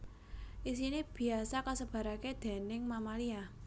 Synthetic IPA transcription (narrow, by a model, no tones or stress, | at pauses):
ʔisinib̥i̤asakasəb̥ä̤ɾaked̪̥e̤nɪŋmamalia